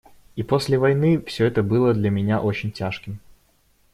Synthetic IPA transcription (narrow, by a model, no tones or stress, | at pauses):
ipo̞sʲlʲɪvɐjnɨfsʲɵɛt̪əbɨlˠəd̪lʲɐmʲɪnʲaʔo̞t͡ɕɪnʲtʲaʂkʲɪm